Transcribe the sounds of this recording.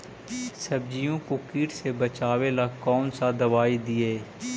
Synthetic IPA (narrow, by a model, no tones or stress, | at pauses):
səbd͡ʒijõːkokiːʈsebət͡ʃaːʋeːlaːkɔːnsaːd̪əʋaːid̪ieː